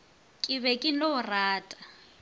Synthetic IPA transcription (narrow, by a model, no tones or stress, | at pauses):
kʼɪβɛkʼɪn̩loʊraːtʼḁ